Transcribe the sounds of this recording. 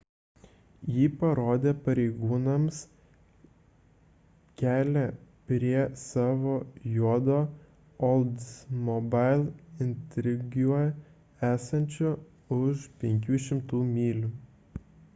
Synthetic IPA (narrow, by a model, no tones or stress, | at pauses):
jiːpɐɾoːd̪ʲeːpɐɾʲɛɪɡuːnɐms | kʲæːlʲɛpʲɾʲiɛsɑːʋoːjuɔd̪oː | ɔlˠd̪smɔbɑɪlʲˠɪnʲt̪ʲɾʲɪɡʲju | æːsɐnʲt͡ʃʲʊ | ʊʃpʲɛŋʲkʲuːʃʲɪmt̪uːmʲiːlʲu